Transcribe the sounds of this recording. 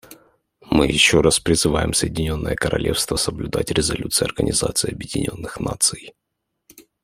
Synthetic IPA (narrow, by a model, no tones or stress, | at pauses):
mɨjɪɕːo̞ɾaspɾʲɪzɨvajɪmsəjɪdʲɪnʲo̞nːə̰jəkəɾɐ̰lʲʔe̞fst̪vəsəblʲʊd̪atʲɾʲɪzɐlʲut̪sɨɪɐrɡənʲɪzat̪sɨɪɐbjɪdʲɪnʲo̞̰nːɨxnat̪sɨj